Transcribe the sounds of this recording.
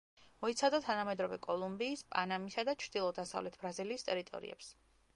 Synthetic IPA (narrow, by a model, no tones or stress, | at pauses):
mɔit̪sʰad̪at̪ʰanamɛd̪ɾɔvɛ̰kʼɔlˠumbiːspʼa̰namisad̪at͡ʃʰɾd̪̥ilˠɔd̪asa̰vlɛt̪ʰbɾaziliːst̪ʼɛɾit̪ʼɔ̰ɾḭɛ̰ps